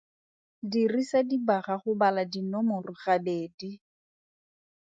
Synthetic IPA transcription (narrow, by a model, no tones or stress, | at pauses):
dirisadibaχaχʊbaladinɔmʊrʊχabeːdi